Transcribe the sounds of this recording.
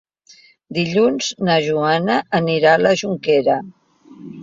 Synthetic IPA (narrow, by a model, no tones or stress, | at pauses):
d̪iʎunznəʒuanəːniɾaləʒuŋkeɾə